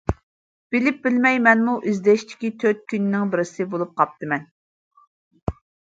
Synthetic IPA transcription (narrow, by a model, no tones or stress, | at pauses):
b̥ɪlɪp̚bɪlmɛjmɛnmuʔizd̪ɛʃt̪ʰɪ̥kʲit̪ʰøt̪̚kʲynnɪŋbɪɾɪsɨbolˠup̚qʰɑp̚t̪ʰɨmɛn